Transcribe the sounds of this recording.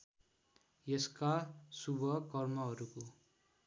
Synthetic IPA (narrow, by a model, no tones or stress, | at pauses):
jeskasubʱʌkʌrmʌɦʌɾuko